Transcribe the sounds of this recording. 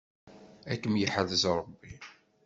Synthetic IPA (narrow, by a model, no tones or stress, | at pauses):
ækːəmjəħəðəzɾˤəbːi